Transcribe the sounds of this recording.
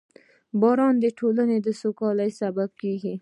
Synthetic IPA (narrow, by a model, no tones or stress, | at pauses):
bɑɾɑnd̪əʈʰolaned̪əsokɑləjsabab̚keɡi